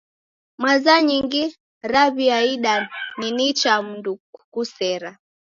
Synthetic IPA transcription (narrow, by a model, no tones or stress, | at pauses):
mwazaɲiŋɡi | ɾaβiaiɗaninit͡ʃam̩nduukusɛɾa